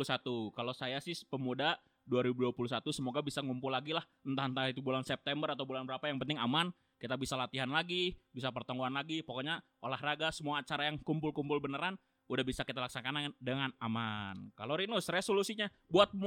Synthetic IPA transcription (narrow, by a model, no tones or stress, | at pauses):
usat̪ukalosajasɪhpəmuda | duaɾibuduapuluhsat̪usəmoɡabisaŋumpʊlaɡilah | nt̪ant̪ait̪ubulansɛp̚t̪ɛmbəɾat̪awbulanbəɾapajaŋpənt̪ɪŋaman | kit̪abisalat̪iɦanlaɡibisap̬ərt̪aŋɡuanlaɡipokoɲa | olahraɡasəmuaːt͡ʃaɾajaŋkumpʊlkumpʊlbənəɾan | udahbisakit̪alaksanakanadəŋanamankaloɾinʊsresolusiɲa | buat̪̚m